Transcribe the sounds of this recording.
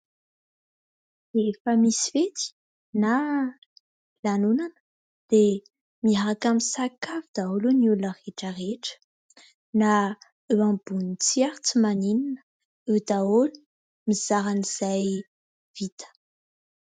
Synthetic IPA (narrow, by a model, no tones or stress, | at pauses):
efəmisivet̪i̥ | na | lanunanə̥ | d̪̥e | miaɾakamisakavud̪aolunuluaʁeʈ͡ʂəʁeʈ͡ʂə̥ | na | eãbunit͡sijaɾit͡simanininə̥ | ed̪aolu̥ | miz̥aɾaniz̥aj | v̥it̪ə̥